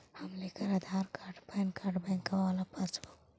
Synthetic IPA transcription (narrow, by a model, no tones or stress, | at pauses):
həmleːkəɾad̪ʱaːɾkaːɾɖpɛːnkaːɾɖbɛ̃ŋkaaːlapəɾt͡ʃʰo